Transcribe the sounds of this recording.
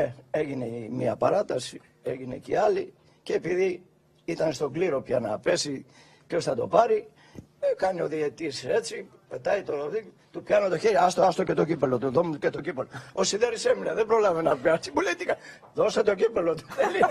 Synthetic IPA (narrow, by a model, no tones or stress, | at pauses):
ee̞ʝine̞miɐpɐ̰ɾɐt̪ɐsi | e̞ʝine̞̰cḭɐli | ceːpiði | it̪ɐnst̪o̞ɡliɾo̞pçɐnɐ̰pe̞si | pço̞sθɐt̪o̞̰pɐɾi | kɐnio̞ðiet̪ise̞t͡si | pe̞t̪ɐjt̪oðit̪upçɐnot̪oçeɾiɐst̪oɐst̪ocet̪o̞cipelot̪uðomcet̪o̞cipeloosiðeɾisemineðebɾo̞lɐvenɐpjɐsipulet̪ikɐ | ðo̞set̪ocipelot̪o̥eli